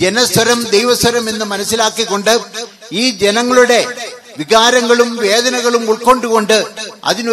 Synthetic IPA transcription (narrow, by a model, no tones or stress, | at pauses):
d͡ʑenɐsɐɾɐmd̪ejʋɐswɐɾɐme̞nːɨmɐnɐsːilaːkːikːo̞ɳɖɨ | iːd͡ʑenɐŋːɐɭuɽe̞ | ʋiɣaːɾɐŋɡɐɭumʋe̞ːd̪ɐnɐɣɐɭumuɭko̞ːɳɖuko̞ɳɖɨɐ̰ðin